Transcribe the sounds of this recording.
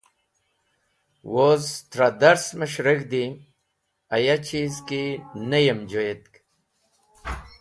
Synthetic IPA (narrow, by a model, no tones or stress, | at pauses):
wozt̪ɾad̪ɐɾsməɕɾekd̪i | ɐjat͡ɕizkinɐjemd͡ʑojet̪̚k